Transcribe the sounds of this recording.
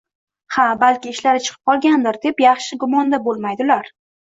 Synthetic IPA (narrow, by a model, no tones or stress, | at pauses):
habalkʲɪːʃlaɾɪt͡ʃʰɨ̥qʰɨ̥p̚qʰɒlˠɡʲand̪ɪɾd̪e̞pjɑχʃɪɡʊmɒnd̪abolˠmajd̪ɪlaɾ